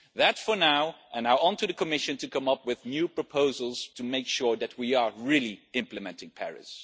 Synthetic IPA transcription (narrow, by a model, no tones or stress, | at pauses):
ðɨtfə˞naʊʔə̃naə̃ntɨðɨkʰəmɪʃɨ̃ntʰɨkʰʌ̃mʌpwɪðnjʉpʰɹ̥əpʰoʊzəl̩ˠz̥tʰɨmeɪkʃʊɹðɨt̚wiə˞ɹɪlˠiɪ̃mplɨmɛ̃ntɪ̃ŋpʰɛ̰ɹɪ̰s